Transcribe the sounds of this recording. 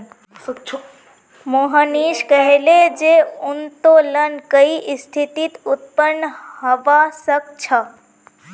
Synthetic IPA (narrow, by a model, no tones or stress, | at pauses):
moɦəniːʃkəɦeled͡ʒeʊnt̪olənkəiʔst̪ʰit̪it̪ut̪̚pənːhɐʋasək̚t͡ʃʰɐ